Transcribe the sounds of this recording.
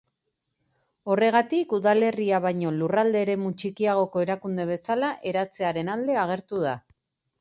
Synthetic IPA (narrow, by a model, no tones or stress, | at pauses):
o̞re̞ɣ̞at̪ikuðale̞riaβajɲo̞lurald̪e̞ːɾe̞mut͡ʃikiaɣ̞o̞ko̞e̞ɾakund̪e̞β̞e̞salaʔe̞ɾat͡se̞aɾe̞nald̪e̞aɣ̞e̞ɾt̪uða